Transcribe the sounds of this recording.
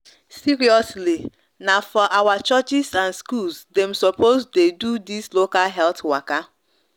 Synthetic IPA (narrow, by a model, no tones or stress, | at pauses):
siɹiɔsli | nafɔʔawat͡ʃət͡ʃɪsãnskulsdẽm̩sɔpʰozdedudislokalɦɛltwaka